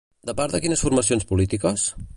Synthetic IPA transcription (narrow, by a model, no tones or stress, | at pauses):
d̪əpaɾðəkinəsfuɾməsionspulit̪ikəs